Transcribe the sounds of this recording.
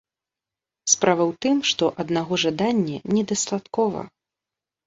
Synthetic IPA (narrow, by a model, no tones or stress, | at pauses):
spɾavɐwt̪ɨmʂt̪ɔʔɐd̪naɣɔʐad̪anʲːɛnʲɛd̪ɐst̪at̪kɔvɐ̰